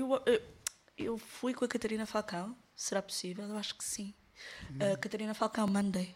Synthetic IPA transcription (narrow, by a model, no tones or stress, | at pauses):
ewew | ewfujkõɐkɐt̪ɐɾinɐfalˠkɐ̃w̃ | sɨɾapu̥sivɛlˠewaʃu̥ksĩ | ɐkɐt̪ɐɾinɐfalˠkɐ̃w̃mɐ̃nd̪ɐj